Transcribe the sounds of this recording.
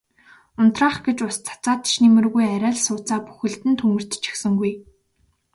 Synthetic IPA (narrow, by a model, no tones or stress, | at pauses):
ʊnt̪raːχɡet͡ɕʊst͡sʰḁt͡saːt̪̆ʃnimɘ̆rɣujæɾʲaːɮsʊːt͡saːpu̥xɘ̆ɬt̪ɘ̆nt̪ʰɵmɘ̆r̥t̪t͡ɕʰi̥xsɘ̆ŋɡuj